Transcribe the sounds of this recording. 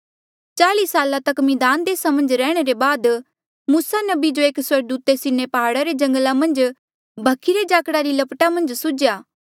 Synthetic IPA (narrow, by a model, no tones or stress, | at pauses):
t͡ʃaːlisaːlat̪ɐkmɪ̃d̪aːnd̪eːsamɐ̃nd͡ʒɾɛːɽ̃eɾebaːd̪ | muːsanɐbid͡ʒoeːkswɐɾɡd̪uːt̪esɪnepɐɦaːɽaɾed͡ʒɐ̃ŋɡəlamɐ̃nd͡ʒ | bʱɐkʰːiɾed͡ʒaːkɽaɾilɐpʈamɐ̃nd͡ʒsʊd͡ʒjaː